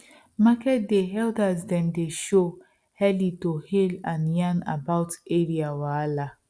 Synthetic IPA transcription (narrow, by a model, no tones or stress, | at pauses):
makɛt̚deɦɛldazdɛndeʃo | hɛlitohilãnjana̰baʊteɾiawaala